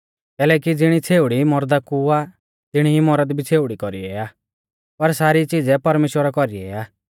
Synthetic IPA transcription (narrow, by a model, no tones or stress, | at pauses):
k̪ɛːlɛːkid͡zɪɽ̃it͡sʰeːʊɽimɔɾd̪akua | t̪ɪɽ̃iːmɔɾəd̪bʱit͡sʰeːʊɽikɔɾiɛaː | pɐɾsaːɾit͡sid͡zɛpɐɾmeːʃwəɾakɔɾiɛ̰aː